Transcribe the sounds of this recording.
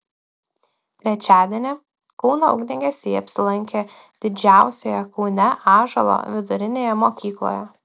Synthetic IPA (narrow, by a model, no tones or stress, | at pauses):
t̪ʲɾʲɛt͡ʃʲæːd̪ʲiɛnʲɛ | kɔʊnoʊ̰ɡd̪ʲɪŋʲɡʲesʲeiɐpʲsʲɪlˠɐŋʲkʲeː | d̪̥ʲɪd͡ʒʲæˑʊsʲejɛkɔʊnʲɛʔɑːʒɐlˠo̰ːʋʲɪd̪ʊɾʲɪnʲeːjɛmoːkʲiːklˠo̰ːjɛ